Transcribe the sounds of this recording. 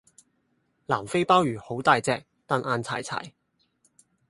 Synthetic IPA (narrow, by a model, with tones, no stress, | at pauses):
laː˨˩mfe˥jpaː˥wjyː˨˩ho˨˥wt̪aː˨˧jt͡sɛː˧k̚t̪aː˨˧nʔaː˧nt͡sʰa̰ː˨˩jt͡sʰa̰ː˨˩j